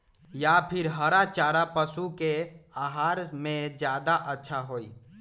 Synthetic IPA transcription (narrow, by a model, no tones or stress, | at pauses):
japʰɪɾɦəɾat͡ʃaːɾapəsukeaɦaːɾmẽd͡ʒjad̪aʔətːʃʰaɦoːi